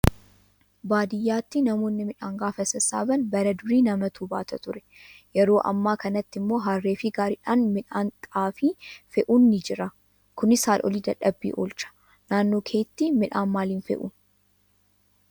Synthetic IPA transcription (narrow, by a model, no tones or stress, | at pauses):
baːd̪ɪjːaːt̪ːɪnɐmo̞ːnːɪmɪᶑaːŋɡaːfɐsɐsaːbɐnbɐɾɐd̪ʊɾiːnɐmɐt̪uːbaːt̪ɐt̪ʊɾɛ̥ | jɛɾo̞ːʔɐ̰mːaːkɐnɐt̪ːɪmːo̞ːɦaːrːeːfɪɡaːɾɪᶑaːnmɪᶑaːŋkʼaːfɪfɛʔunːɪd͡ʒɪɾɐ | kʊnɪsaːlʔɔ̰liːd̪ɐᶑɐbːḭːʔo̰ːlt͡ʃɐ̥ | naːnːo̞ːkʰeːt̪ːɪmɪᶑaːnmaːliːnfɛ̰ʔṵːn